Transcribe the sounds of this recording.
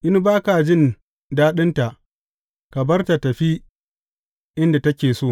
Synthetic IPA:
ʔɪ˦n˦baː˦ka˨d͡ʒɪ˦n | daː˦ɗɪ˦nta˨ʔ | ka˨bɐ˦rta˨tɐ˨ɸi˦ | ʔɪ˦nda˨tɐ˦kʲeː˨soː˦˨

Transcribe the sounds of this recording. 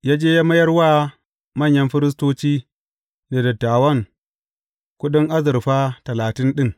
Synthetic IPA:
ja˦d͡ʒeː˦ja˦mɐ˦jɐ˦ɾwaː˦ | mɐ˦˨ɲjɐ˦mɸɪ˦ɾɪ˦s̬toː˦t͡ʃiː˦ | na˨dɐ˨tːaː˨wɐ˦ŋ | kʷʊ˦ɗʊ˦ŋʔa˦zɪ˨ɾɸa˦tɐ˨laː˨tɪ˦nɗɪ˦ŋ

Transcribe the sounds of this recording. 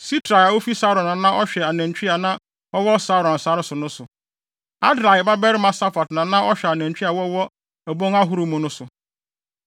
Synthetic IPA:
si˦tʰɾa˨a˨wo˦fi˦sa˦ɾɔ̃˨nã˨nã˦ʔɔ˦ɕᶣɛ˨a˨næ̃˨ɲ˨t͡ɕᶣi˦a˨nã˦ | ɔ˦wɔ˦sa˦ɾɔ̃˨n̩˨sa˨˦ɾɪ˦sʊ˨nʊ̃˦sʊ˨ | a̰˦dɾa˨ɪ˨ba˦bɛ˦ɾɪ˦mã˨sa˦fa˨tnã˨nã˦ʔɔ˦ɕᶣɛ˨a˨nɛ̃˨ɲ˨t͡ɕᶣi˦a˨wɔ˦wɔ˦ | ɛ˨bɔ̃˦ŋa˦ɦu˦ɾu˨mũ˨nʊ̃˦sʊ˨

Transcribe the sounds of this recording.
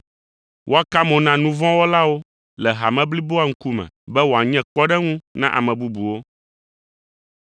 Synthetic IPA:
wʔo˦a˦ka˦mɔ̃˨nã˦nũ˦vɔ̃˦wo˦la˦wo˦ | lɛ˨ɦa˨mɛ̃˦bli˦bo˦a˦ŋ̩˦ku˦mɛ̰̃˨bɛ˦wo˨a˨ɲɛ̃˦k͡pɔ˦ɖɛ˦ŋũ˦nã˦ʔa̰˨mɛ̃˨bu˦bu˨wo˦

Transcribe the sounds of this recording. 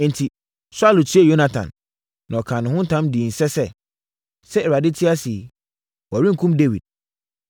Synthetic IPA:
n̩˨tʰi˨ | sʊ˦a˦lʊ˨tʰi˦e˦˨jo˦na˦tʰã̰˨nː | ã˨ɔ˨kʰã˨nʊ̃˨ʊ̃˦n̩˦tʰã˦mdi˨n̩˨sɛ˦sɛ˦˨ | sɛ˦ɛ˨ɾa˨dɪ˦tʰɪ˦a˦si˨ | wɔ˨ɾĩ˦ŋ̩˨kʰũ˦mde˦wḭ˨d̥̚

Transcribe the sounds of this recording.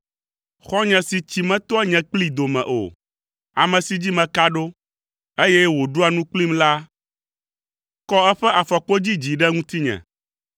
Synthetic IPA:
xɔ˦ɲɛ̃˨si˨t͡ɕi˨mɛ̃˦t̪ɔ˦ɛ˦ɲɛ̃˨k͡pli˦d̪o˨mɛ̰̃˨ʔo̰˨ | a˨mɛ̃˨si˨d͡ʑi˦mɛ̃˨ka˦ɖo˦ | e˦jɛ˦wo˨ɖo˦a˨nũ˦k͡pli˦mla˦ | kɔ˦ɛ˦ɸɛ˦ʔa˨fɔ˨k͡po˦d͡ʑi˦d͡ʑi˨ɖɛ˦ŋũ˦t̪i˦ɲɛ̰̃˨

